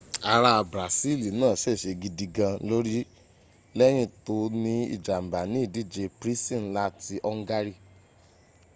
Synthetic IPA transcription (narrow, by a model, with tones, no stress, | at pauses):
a˧ɾa˧bɾa˨si˦˨li˨nãː˦˨ʃɛ˦˨ʃe˧ɡi˧di˧ɡã˧lo˦ɾi˦ | lɛ˦j̃ĩ˦˨to˧nĩ˧˦ḭ˨d͡ʒa˨m̩˨ba˨nĩ˨˦i˦˨di˦˨d͡ʒe˧pɾi˦sĩ˦˨n˦la˦ti˧ʔɔ˧ŋ̩˦ɡa˧ɾi˧